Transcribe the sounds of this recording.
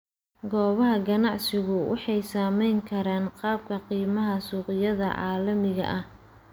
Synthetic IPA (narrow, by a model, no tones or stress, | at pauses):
ɡɔːβɐɦɐɡɐnɑʕsɪɣʊwʔɑ̰ħɑjsaːmɛjŋkʰɐɾaːnqɑːb̚kʰɐqiːmɐɦɐsuːqɪjɐðɐʕɑ̰ːlɐmɪɣɐ̰ʔɐh